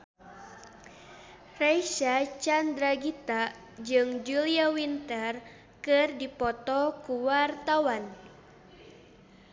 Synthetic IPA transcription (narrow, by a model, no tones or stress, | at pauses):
rajʃat͡ʃand̪ɾaɡit̪a | d͡ʒɨŋd͡ʒuliawint̪ɛr | kɨrdipɔt̪ɔkuwart̪awan